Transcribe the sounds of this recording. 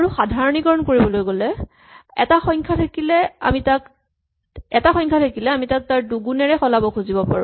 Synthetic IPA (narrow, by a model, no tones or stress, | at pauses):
aɹuxadʱaɹɔniɡɔɹɔnkoɹibɔlojɡolɛ | ɛ̰taxɔjŋkʰatʰakilɛa̰mitak | ɛtaxɔjŋkʰatʰakilɛamitak̚taɹduɡunɛɹɛxɔlabɔkʰuzibɔpa̰ɹu